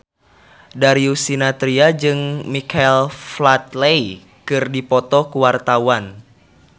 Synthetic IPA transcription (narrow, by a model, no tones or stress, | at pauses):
daɾiusinat̪ɾiad͡ʒɨŋmikaɛlflat̪lei | kɨrdipɔt̪ɔkuwart̪awan